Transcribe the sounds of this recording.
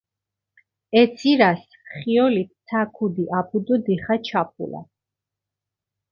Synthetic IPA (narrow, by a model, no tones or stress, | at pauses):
ɛt̪sʰiɾas | χiɔlit̪̚ʰsʰakʰud̪iʔapʰud̪ɔd̪iχat͡ʃʰap̚ʰṵla̰